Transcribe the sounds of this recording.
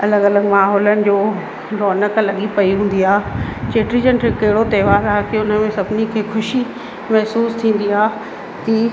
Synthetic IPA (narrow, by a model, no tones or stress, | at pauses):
ɐləɡɐləɡmaːɦɔːlənɪ̆d͡ʑoː | ɾɔːnəklɐɠipɐiɦũːn̆d̪iaːt͡ɕeːʈɾid͡ʑənʈɪkːɐɦɪɽot̪ɐːʋaːɾaːkiʊn̤əmẽsɐbnikʰeːxʊʃi | mɐɦsuːst̪ʰĩːn̆d̪iaː | t̪iː